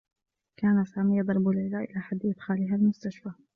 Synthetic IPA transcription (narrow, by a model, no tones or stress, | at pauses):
kaːnasaːmijɑd̪ˤɑɾˤbʊlʕɪlaːʔɪlaħad̪ːʔɪd̪xaːlɪɦalmʊst̪aʃfa